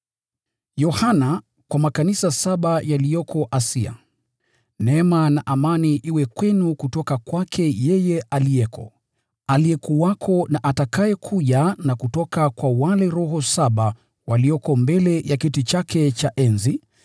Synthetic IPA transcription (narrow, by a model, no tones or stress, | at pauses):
jɔhana | kwamakanisasaɓajalijɔkʰɔʔasia̰ | nɛɛmanaʔamaniʔiwɛkwɛnukutɔkakwakʰɛjɛjɛʔalijɛkʰɔ̰ | alijɛkuwakʰɔnaʔatakajɛkʰuʄanakutɔkakwawalɛɾɔɦɔsaɓa | waliɔkɔmbɛlɛjakitit͡ʃakʰɛt͡ʃaʔɛnzi